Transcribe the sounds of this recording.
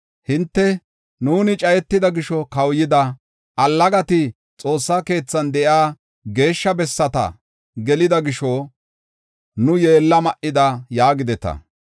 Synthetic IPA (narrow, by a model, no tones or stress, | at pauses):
hɪnt̪ːɛ | nuːnɪt͡ʃʼɐjɛt̪ːɪd̪ɐɡɪʃɔkɐwjɪd̪ɐ | ʔɐlːɐɡɐt̪ɪ | t͡sʼo̞ːsːɐke̞ːt͡sːɐnd̪ɛʔjaː | ɡe̞ːʃːɐbɛsːɐt̪ɐ̰ | ɡɛlɪd̪ɐɡɪʃo | nʊjeːlːɐmɐʔɪd̪ɐjaːɡɪd̪ɛt̪ɐ̰